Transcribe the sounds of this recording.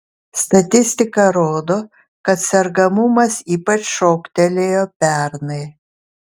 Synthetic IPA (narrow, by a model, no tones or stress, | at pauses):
st̪ɐt̪ʲɪsʲt̪ʲɪkɐɾoːd̪oː | kɐt̪sʲɛɾɡɐmʊmɐsiːpɐt͡ʃʃoːkt̪ʲɛlʲeːjoːpʲæɾnɐɪ